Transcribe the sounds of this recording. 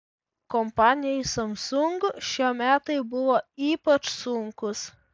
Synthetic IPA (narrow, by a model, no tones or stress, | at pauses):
kɔmpɑːnʲɪjɛjsɐmsʊŋɡʊʃʲiɛmʲæːt̪ɐɪbʊʋoːiːpɐt͡ʃsʊŋkʊs